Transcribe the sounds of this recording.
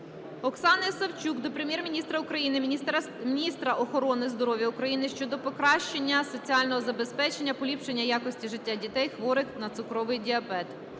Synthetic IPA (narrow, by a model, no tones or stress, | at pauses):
ɔksɑnɐjsɐwt͡ʃʲukd̪ɔpɾemjɛrmʲinʲist̪ɾɐʊkɾɐjinɪ | mʲinʲist̪ɾɐʔɔxɔɾɔnɪzd̪ɔɾɔʋʲjɐʊkɾɐjinɪʃt͡ʃɔd̪ɔpɔkɾɑʃt͡ʃe̞nʲːɐsɔt͡sʲiɑlʲnɔɦɔzɐbe̞spɛt͡ʃe̞nʲːɐpɔlʲipʃe̞nʲːɐjɑkɔsʲtʲiʒɪtʲːadʲit̪ɛjxʋɔɾɪxnɐt̪sʊkɾɔʋɪjdʲiɐbɛt̪